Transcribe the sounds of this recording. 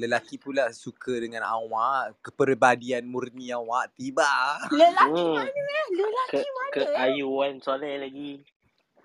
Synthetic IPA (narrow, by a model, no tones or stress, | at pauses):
ləlakipulasukədəŋãna̰waʔkəpərbadianmurniawaʔt̪ibaləla | ləlakəkəajuansolɛlaɡi